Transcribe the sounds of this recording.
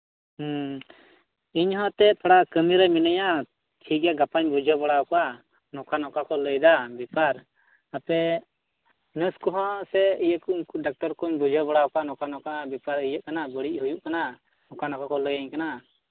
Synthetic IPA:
iɲɦɔ̃t̪ɛp̪ʰɔɽakəmiɾɛminəja | t͡ʃʰikɛɡapaɲbud͡ʒʱɔbɔɽawkɔa | nɔkanɔkakɔləjd̪abipaɾ | apɛ | nəskɔɦɔ̃sɛijəkunkuɖak̚ʈɔɾkɔɲbud͡ʒʱɔbɔɽawkɔanɔkanɔkabipaɾəjəʔ̚kanabəɽiʔ̚ˀɦujuʔkana | nɔkanɔkakɔləjaɲkana

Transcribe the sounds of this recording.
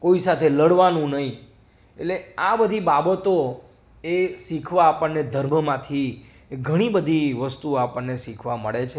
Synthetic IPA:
koisat̪ʰeləɽʋanũnəɦĩ | etleabəd̪ʱibabət̪o | esikʰʋaːpəɳːed̪ʱəɾməmãt̪ʰi | ɡʱəɽ̃ibəd̪ʱiʋəst̪uapəɳːeʃikʰʋaməɭet͡ʃʰe

